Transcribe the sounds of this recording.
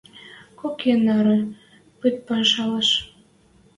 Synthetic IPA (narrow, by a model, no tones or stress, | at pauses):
kokʰenɑɾɤ̆ | pɨt̪̚pɑʃɑlɑʃ